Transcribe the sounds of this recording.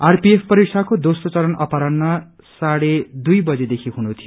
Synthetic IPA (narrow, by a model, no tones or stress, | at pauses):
arpiepʰpʌɾik̚sʰakod̪osot͡sʌɾʌnʔʌpaɾʌnmʌ | saɽed̪ujbʌd͡zed̪ekʰiɦunut̪ʰijo